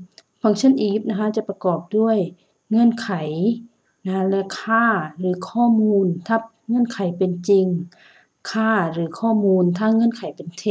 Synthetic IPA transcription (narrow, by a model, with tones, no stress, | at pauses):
pʰɔː˧˦ŋt͡ɕʰnʔiː˨˦p̚na˧kʰa˧˥t͡ɕa˧˩pa˧kɔː˨˩p̚du˥˩əj | ŋɤ˧˥˨nkʰa˨˩˦j | na˧lɛ˧˩kʰaː˥˩ɾɯː˨˩˦kʰɔː˧˥˩muː˧˥nt̪ʰa˧˥p̚ŋɤ˧˥˨nkʰa˨˦jpe˨nt͡ɕi˧ŋ | kʰaː˧˥˩ɾɯː˩˦kʰɔː˧˥˩muː˧nt̪ʰaː˧˥˨ŋːɤ˧˥˨nkʰa˨˩˦jpe˨nt̪ʰe˧˩